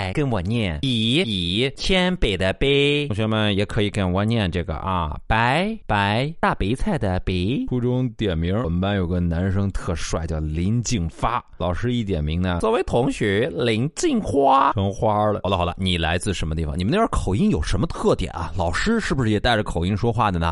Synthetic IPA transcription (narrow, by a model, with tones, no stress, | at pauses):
ɪkə˥nwɔ˨˩njɛ˥˩ni˨˩i˨˩t͡ɕʰjɛ˥npe˨˩ɪd̪ə˧pe˥ɪ˧ŋɕɥɛ˧˥mə˨njɛ˨˧˩kʰɤ˧˥i˧˩kə˥˩nwa˧˥njɛ˥˧nʈ͡ʂɤ˥˩ɡə̰˩ʔɐ̰˧˩pa˧˥ɪpa˧˥ɪt̪a˥˩pe˧˥ɪt͡sʰa˥˩ɪd̪ə˩pe˧˥ɪu˥ʈ͡ʂʊ˥ŋt̪jɛ˨˩nmi˧˥ŋə˧˩˨pa˥njo˨˩ʊɡə˧na˧˥nʂɤ˥ŋt̪ʰɤ˥˧ʂwa̰˨˩ɪt͡ɕjɑ˥˩ʊli˧˥ŋt͡ɕi˥˩ŋfa˥lɑ˨˩ʊʂɻ̩˥i˥˩t̪jɛ̰˨˩nmi˧˥ŋnə˧swɔ˨˩we˧˥ɪt̪ʰʊ˧˥ŋɕɥɛ˧˥li˧˥ŋt͡ɕi˥˧ŋxwa˥ʂʰɤ˥ŋxwa˥lə˧˨˩lə˧ɑ˨˩ʊd̪ə˧ni˨˩la˧˥ɪt͡sɹ̩˥˩ʂə˧˥nmə˧i˥˩fɑ̰˨ŋni˨˩ə˦n˥˩˧ə˥˩kʰo˨˩ʊi˥ŋjo˨˩ʊʂə˧˥mə˧t̪ʰɤ˥˩t̪jɛ̰˨˩˦nɐ̰˧lɑ˨˩ʊʂɻ̩˥ʂɻ̩˥˩bu˩ʂɻ̩˥˩jɛ˨˩t̪a˥˩ɪʈ͡ʂə˩kʰo˨˩ʊi˥˩ŋʂwɔ˥xwa˥˩d̪ə˩nə˩